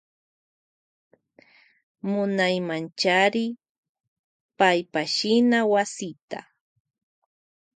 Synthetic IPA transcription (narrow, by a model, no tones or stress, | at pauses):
mʊnajmant͡ʃaɾɪ | pajpaʃɪnawasɪt̪a̰